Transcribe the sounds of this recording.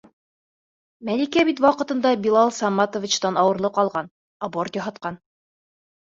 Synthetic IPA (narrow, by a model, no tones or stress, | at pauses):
mælikæbit̪̬wɑqɤ̆t̪ɤ̆nd̪ɑbilˠɑlˠsɑmːɑt̪ovʲit͡ɕt̪ɑnɑwɤ̆ɾlˠɤqɑlˠʁɑn | ɑbort̪jɒɦɑt̪̚qɑn